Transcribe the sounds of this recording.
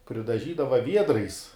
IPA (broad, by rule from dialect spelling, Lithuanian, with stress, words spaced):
pʲrʲɪdɐˈʒʲiːdɐʋɐ ˈʋʲiɛdrɐɪs